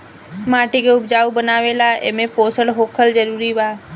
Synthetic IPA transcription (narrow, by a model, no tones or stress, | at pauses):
maːʈikeʊbd͡ʒaubənaːʋelaḛmẽpoːsəɽɦoːkʰəld͡ʒəɾuɾiʋaː